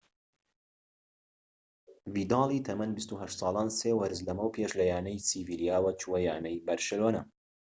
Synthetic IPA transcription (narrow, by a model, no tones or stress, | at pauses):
viːd̪ɑːlˠiːt̪ʰɐmɐnbist̪uɦɐʃt̪sɑːlˠaːnseːwɐɾzlɐmɐwpʰeːʃlɐjaːnɐjsivilijaːwɐt͡ʃuwɐjaːnɐjbɐɾʃɛloːnɐ